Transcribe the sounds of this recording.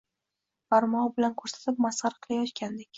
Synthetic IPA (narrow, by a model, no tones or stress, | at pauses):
faɾmɒbɪlankʰɵɾsḁt̪ʰɪp̚masɑɾqʰɨlˠajɒt̪kʲand̪ekʲ